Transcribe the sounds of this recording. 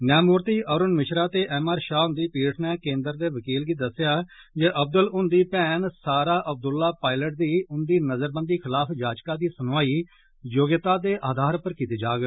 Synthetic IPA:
njaːmuːɾt̪iːʔəːɾʊnmɪʃɾaːt̪eːʔɛːmaːɾʃaːʊnd̪iːpiːʈʰnɛːkẽːnd̪əɾd̪eːʋəkiːlɡiːd̪əsɪjaː | d͡ʒeːʔəb̚d̪əlʊnd̪iːpɛːnsaːɾaːʔəb̚d̪ʊlːaːpaːɪləʈ̚d̪iːʊnd̪iːnəzəɾbənd̪iːkʰɪlaːpʰd͡ʒaːd͡ʒkaːd̪iːsənaːiː | joːɡjət̪ãːd̪eːʔaːd̪ʱaːɾpəɾkiːt̪eːd͡ʒaːɡ

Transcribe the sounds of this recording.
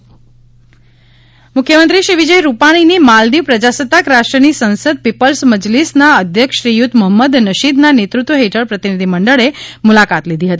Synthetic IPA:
mʊkʰjəmənt̪ɾiʃiʋid͡ʒəjɾupaɽ̃inimald̪iʋpɾəd͡ʒasət̪ːakɾaʃʈɾənisənsəd̪̚pipəlsməd͡ʒlisnaəd̪ʱjəkʃɾijʊt̪ʰːməɦəmːəd̪nəʃid̪nanet̪ɾut̪ʋəɦeʈʰəɾpɾət̪inid̪ʱiməɳɖəɭemulakat̪lid̪ʱiɦət̪i

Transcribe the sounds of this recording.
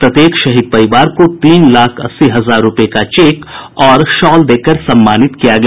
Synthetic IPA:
pɾɐt̪eːkʰʃɐɦid̪̚pɐɾɪʋaːɾkot̪iːnlaːkʰɐ̰sːiɦɐzaːɾːʊpekat͡ʃeːkɔːɾʃɔːld̪eːkəɾsɐ̃mːaːnɪt̪kijaɡɐ

